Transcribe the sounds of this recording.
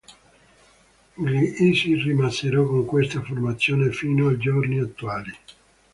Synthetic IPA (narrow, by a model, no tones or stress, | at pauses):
ɡliisirimasːeɾɔkːoŋkwest̪aformat̪sːjoːnefiːnoajd͡ʒorniat̪ːuaːli